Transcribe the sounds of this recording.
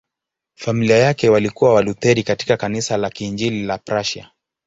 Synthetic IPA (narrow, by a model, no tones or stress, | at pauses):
familiajakɛwalikuwawalut̪ɛɾikati̥kakanisalakind͡ʒililapɾaʃa̰